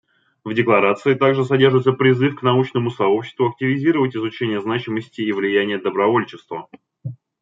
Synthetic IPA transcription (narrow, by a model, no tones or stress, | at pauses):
vdʲɪklˠɐɾat̪sɨɪt̪aɡʐɨsɐdʲe̞rʐɨt̪səpɾʲɪzɨfknɐut͡ɕnəmʊsɐo̞pɕːɪ̥st̪vʊɐk̚tʲɪvʲɪzʲiɾəvətʲɪzʊt͡ɕenʲɪjəznat͡ɕɪməsʲtʲɪːvlʲɪjænʲɪjəd̪əbɾɐvo̞lʲt͡ɕɪst̪və